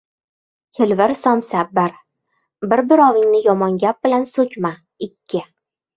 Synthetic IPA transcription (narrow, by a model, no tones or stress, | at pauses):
kʲʰɪlvɪɾsɒmsabbɪɾ | bɪɾbɪɾɒvɪŋnɪjɒmɒŋɡʲap̚b̥ɪlansɵkʲʰma | ɪkʲʰːɪ